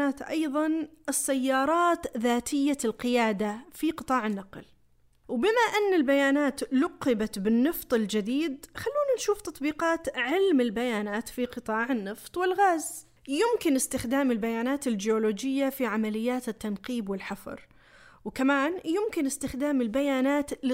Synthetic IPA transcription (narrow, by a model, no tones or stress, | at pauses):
aːt̪ʔɑ̰jðˤɑnʔɪsːajːɑːɾˤɑːt̪ðaːt̪ʰɪjːalqɪjaːd̪afiqɨt̪ˤɑːʕɪnːɑql | wbɪmaʔɪnːɪlbajaːnaːt̪lʊqːɪbat̪bɪnːɨft̪ˤɪld͡ʒɪd̪iːd̪̚xalːuːnanʃuːft̪ɑt̪ˤbiːqɑːt̪ʕɪlmɪlbajaːnaːt̪fiqɨt̪ˤɑːʕɪnːɨft̪ˤwɪlɣaːz | jʊmkɪnɪst̪ɪxd̪aːmɪlbajaːnaːt̪ɪld͡ʒɪoloːd͡ʒɪjːafiʕamalɪjːaːt̪ɪt̪ːanqiːbwɪlħafɑ̰ɾˤ | wkamaːnjʊmkɪnɪst̪ɪxd̪aːmɪlbajaːnaːt̪lɪ